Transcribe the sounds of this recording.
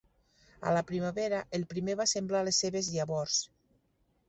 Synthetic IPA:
a̰lapɾimaβeɾaʔelˠpɾimeβasemblalesːeβezðjaβɔɾs

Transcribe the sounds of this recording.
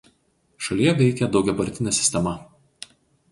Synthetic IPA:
ʃɐlʲiːjɛɡʲɛɪkʲɛd̪ɐʊɡ̪ʲɛbɐɾʲt̪ʲɪnʲɛsʲɪ̥sʲt̪ʲɛmɐ

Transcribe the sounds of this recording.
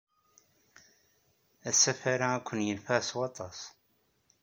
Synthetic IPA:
æsæfaɾaækʷːənjənfæswɑt̪ˤɑs

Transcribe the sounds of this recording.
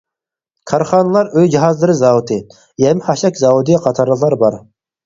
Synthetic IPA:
kʰɑɾχɑːnəlˠɑɾøjd͡ʒiɦɑzlˠɨɾɨzɑwut̪ʰɨ | jɛmɪhɑʃɛkʲzɑwud̪ijɛqʰɑt̪ʰɑɾlˠəχlˠɑɾbɑɾ

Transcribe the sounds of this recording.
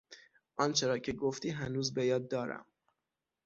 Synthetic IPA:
ʔɒːnt͡ʃʰeɾɒːcʰe̞ɡoft̪iːɦænuːzbejɒːd̪̚ːɒːɾæ̰m

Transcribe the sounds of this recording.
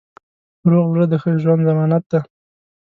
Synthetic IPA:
ɾoɣwɾəd̪əxəʒwand̪zamɑnat̪̚d̪a

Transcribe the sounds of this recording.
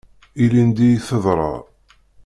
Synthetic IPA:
ilind̪ijθəðˤɾˤɑ̰

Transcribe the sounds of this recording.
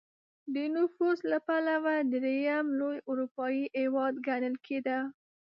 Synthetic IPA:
d̪ənʊfuzlapalawad̪ɾejamlojʊɾupɑjiewɑd̪ɡanəlkʰed̪a

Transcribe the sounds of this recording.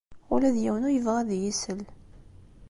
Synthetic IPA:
ʊlæðjæwənʊɾjəvʁæðjisəl

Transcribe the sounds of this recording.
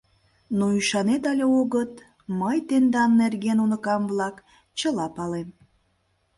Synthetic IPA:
noyʃɑnet̪ɑlʲeoɣət̪ | məjt̪end̪ɑnːerɡenunə̆kɑmvlɑk | t͡ɕə̆lɑpɑlem

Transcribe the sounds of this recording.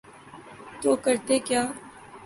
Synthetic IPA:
t̪oːkəɾt̪ekjaː

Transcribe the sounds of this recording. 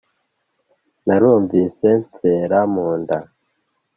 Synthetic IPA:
naɾuːɱviːse̞nt͡seːɾamuːnda

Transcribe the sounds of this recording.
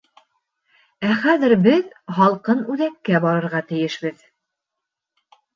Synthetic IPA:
æχæðɘɾbɘðhɑlˠqɤnʉðækːæbɒɾɤ̆ɾʁɑt̪ɘ̆jɘʃbɘð

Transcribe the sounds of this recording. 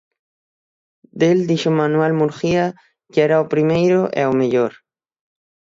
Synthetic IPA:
d̪eld̪iʃomanwalmuɾxia | keeɾaopɾimejɾoʔḛomeʎoɾ

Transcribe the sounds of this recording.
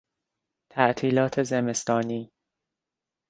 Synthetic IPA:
t̪ʰæʔt̪ʰiːlɒːt̪ʰezeme̞st̪ɒːniː

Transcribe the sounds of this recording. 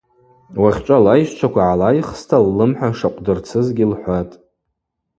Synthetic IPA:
waχʲt͡ʃʷʼalajʃt͡ʃʷʰakʷaʕalajχstʰalːɨmħʷᶣaʂaqʷʼdɨrt͡sʰɨzɡʲilħʷatʼ

